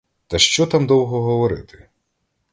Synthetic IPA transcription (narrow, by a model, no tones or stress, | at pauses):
t̪ɐʃt͡ʃɔt̪amd̪ɔwɦɔɦɔʋɔɾɪ̰t̪ʰɪ̥